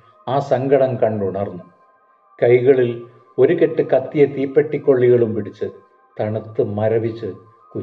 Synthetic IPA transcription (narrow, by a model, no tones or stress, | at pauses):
aːsɐŋɡɐɽɐmkɐɳɖuɳɐrnːu | kɐjɣɐɭil | o̞ɾuke̞ʈːɨkɐt̪ːijɐt̪iːpːeʈːikʲːoɭːiɣɐɭumpiɽit͡ɕːɨ | t̪ɐɳɐt̪ːɨmɐɾɐʋit͡ɕːɨ | ku